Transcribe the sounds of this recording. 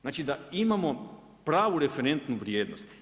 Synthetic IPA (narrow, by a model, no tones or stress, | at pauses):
znaːt͡ʃid̪aimamo̞ | pɾaːʋuɾe̞fe̞ɾe̞nt̪nuʋɾje̞ːd̪no̰st̪